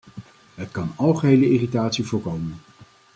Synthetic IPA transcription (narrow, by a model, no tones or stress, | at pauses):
ɦətkɑnɑlˠχəɦejləɪritaːtsivʊːɹkowmən